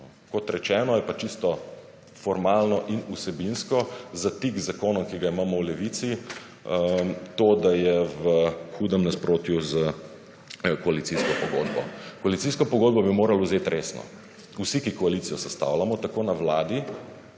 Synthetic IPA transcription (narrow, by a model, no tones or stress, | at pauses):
kɔt̪ɾɛt͡ʃɛːnɔjɛpat͡ʃist̪ɔ | fɔɾmalnɔʔinusɛbinskɔzat̪iɡzakoːnɔmkiɡaimaːmɔwlɛʋit̪si | t̪oːd̪ajɛʋəxuːd̪ɛmnaspɾoːt̪juzə | kɔalit̪siskɔpɔɡoːd̪bɔ̰kɔalit̪siskɔpɔɡoːd̪̚bɔbimoːɾalauzet̪ɾeːsnɔ̰ | usikikɔalit̪ijɔsɛst̪a̰wlamɔt̪akoːnaʋlaːd̪i